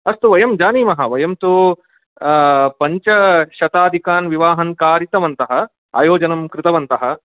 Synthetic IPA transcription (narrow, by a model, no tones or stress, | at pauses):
ɐst̪uʋɐjɐmd͡ʒaːniːmɐɦɐʋɐjɐmt̪u | pɐɲt͡ʃɐʃɐt̪aːd̪ʱikaːnʋiʋaːɦɐŋkaːɾit̪ɐʋɐnt̪ɐɦɐ̆ | a̰ːjoːd͡ʒɐnɐmkɾɪt̪ɐʋɐnt̪ɐɦɐ̆